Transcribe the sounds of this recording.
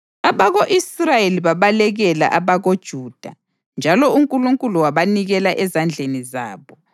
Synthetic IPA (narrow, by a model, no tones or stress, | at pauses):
aβaɣoʔisrajeliβaβalɛɣɛla̰ʔaβaɣod̥ʒ̥ʱuːd̥ʱa | nd͡ʒʱalɔuŋkʼuluŋkʼuluwaβaniɣɛlaʔɛzand͡ɮʱeniza̰ːβɔ